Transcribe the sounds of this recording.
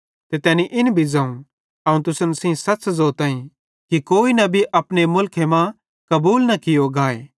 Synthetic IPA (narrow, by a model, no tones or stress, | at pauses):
t̪et̪ɛːniʔɪnbʱid͡zɐ̃ːũ | ɐũt̪̬ʊsənsĩsɐtːszoːt̪ãːĩ | kikoːinɐbʱiʔɐpñemʊlkʰemã | kɐbuːlnɐkɪjoɡaːḛː